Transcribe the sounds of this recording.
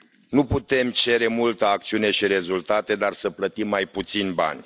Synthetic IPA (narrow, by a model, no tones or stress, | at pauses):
nuput̪e̞mt͡ʃe̞ɾe̞mult̪əak̚t̪siune̞ʃiɾe̞zult̪at̪e̞d̪arsəplət̪imːajput̪sinʲba̰nʲ